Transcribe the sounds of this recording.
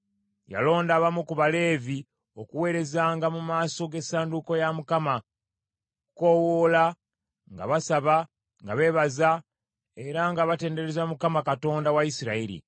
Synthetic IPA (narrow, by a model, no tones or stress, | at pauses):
ja̰lo̞ːndaːβamukuβale̞ːvi | o̞kuwe̞ːɾe̞zaːŋɡamumaːso̞ɡe̞saːnduko̞jamukama | kuko̞wola | ŋɡa̰βasaβa | ŋɡaβe̞ːβaza | e̞ɾaŋɡaβate̞ːnde̞ɾezamukamakato̞ːndawaisiɾaiɾḭ